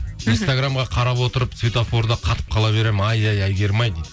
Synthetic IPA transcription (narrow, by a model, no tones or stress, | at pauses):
inst̪aɡɾamʁɑqʰɑɾɑpwo̞t̪əɾəpsvʲet̪afo̞ɾd̪ɑqʰɑt̪ə̥p̚qʰɑlˠɑβe̞ɾemɑjɑjɑjɡʲe̞ɾmɑjd̪i